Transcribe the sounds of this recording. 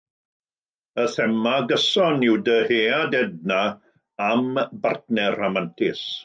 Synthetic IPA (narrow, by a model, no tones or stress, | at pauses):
əθɛmaɡəsɔnɪwdəheːadɛd̚na | ambartnɛramantʰɪs